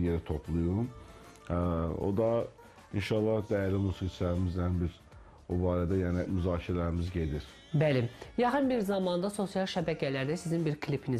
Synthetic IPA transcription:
jeɾit̪ʰo̞pʰlˠujɾum | o̞̰d̪ɑ | inʃɑlˠːɑhd̪æjæɾlʲimusikt͡ʃʰlæɾimizd̪ænbiɾ | obaːɾæd̪æjaːnimyzɑːcʰilʲæɾimizɟe̞d̪iɾ̥ | bælijɑxɯnbiɾzɑmɑnd̪ɑso̞sijɑlˠʃæbæcʰɛlæɾd̪æsizinbiɾkʰlʲipʰini

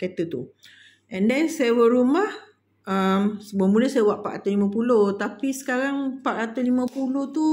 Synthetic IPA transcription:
kat̪ət̪u | ʔɛ̃ndɛnsajəwəɾumah | əmsbəmuləsajəwaʔpa̰ʔat̪alimãpulot̪apisə̥kaɾaŋpaʔɾat̪alimãpuloht̪u

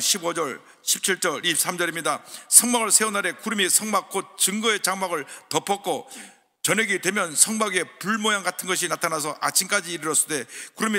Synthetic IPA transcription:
ɕʰibod͡ʑʌɭ | ɕʰip̚t͡ɕʰiɭt͡ɕ͈ʌɾis͈ʰamd͡ʑʌɾimɲidasʰʌŋmaɡɯɭsʰe̞onaɾe̞kuɾɯmisʰʌŋmak̚k͈ot̚t͡ɕɯŋɡʌe̞t͡ɕaŋmaɡɯɭtʌpʰʌt̚k͈o | t͡ɕʌɲʌɡidwe̞mjʌnsʰʌŋmaɡe̞puɭmojaŋɡatʰɯnɡʌɕ̬ʰinatʰanasʰʌʔat͡ɕʰink͈ad͡ʑiːɾɯɾʌs͈ɯde̞kuɾɯmi

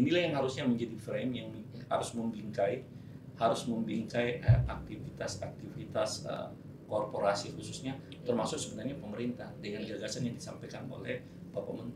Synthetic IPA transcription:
inilahjaŋhaɾʊsɲaməɲd͡ʒadifɾɛmjaŋmha̰ɾʊsməmbiŋkaj | haɾʊsməmbiŋkajə̰ʔak̚t̪ifit̪asak̚t̪ifit̪asə̰ | korpoɾasixususɲa | t̪ərmasʊksəbənarɲapəməɾint̪ahdəŋanɡaɡasanjaŋdisa̰mpajkano̰lɛh | bapamənt̪

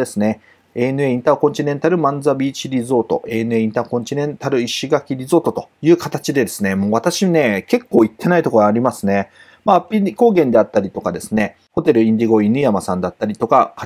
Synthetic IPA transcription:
e̞sɨne̞ | eːnɯe̞ːĩnt̪akõ̞ɲ̟t͡ɕ̪ʲine̞nt̪aɾɯ̟mãnd͡zabʲiːt͡ɕiɾʲizo̞ːt̪o̞̰ʔenɯ̟e̞ːĩnt̪akõ̞ɲ̟t͡ɕinẽ̞nt̪aɾɯ̟iɕiɡakʲiɾʲizo̞ːt̪o̞t̪o̞jɯ̟ːkat̪at͡ɕid̪e̞d̪e̞sɨne̞mo̞ːβat̪aɕine̞ke̞kːo̞ːit̪ːe̞nait̪o̞koɡaːɾʲimasɨne̞ | maːpʲiiko̞ːɡẽ̞nd̪e̞at̪ːaɾʲit̪o̞kad̪e̞sɨne̞ | ho̞t̪e̞ɾɯ̟ĩɲd̪ʲiɡo̞inɯjamasãnd̪at̪ːaɾʲit̪o̞kaka

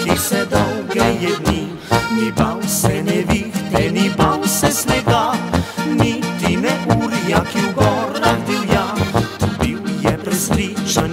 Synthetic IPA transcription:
t̪isɛd̪ɔwɡɛjɛd̪ni | nibawsɛnɛʋixt̪ɛnibawsɛsnɛɡa | nit̪inɛʔulijakiwɡɔɾnaɡd̪iwjat̪ubiwjɛpɾɛsɾiʃan

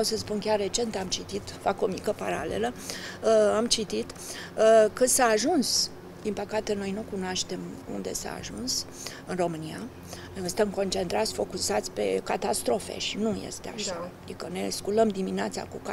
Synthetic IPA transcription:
wsəspunkʲarːe̞t͡ʃe̞nt̪amt͡ʃit̪it̪fako̞mikəpaɾa̰le̞̰lə | amt͡ʃit̪it̪ | kɨnsaːʒuns | d̪impəkat̪e̞no̞jnukunoaʃt̪e̞mṵnd̪e̞̰sa̰ːʒuns | ɨnro̞mɨnia | jsɨt̪əmko̞nt͡ʃe̞nt̪ɾat̪sʲfo̞kusat̪sʲpe̞kat̪ast̪ɾo̞fḛʃinujḛst̪ea̰ʃaad̪ikəne̞skuləmd̪imineat̪sa̰kuka

